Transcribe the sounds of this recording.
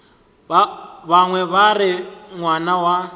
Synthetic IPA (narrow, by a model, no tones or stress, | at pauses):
βaŋwɛβarɪŋwanawa